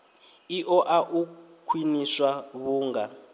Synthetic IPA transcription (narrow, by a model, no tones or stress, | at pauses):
iʔɔʔaʔu | kʰwiniswaβuːŋɡa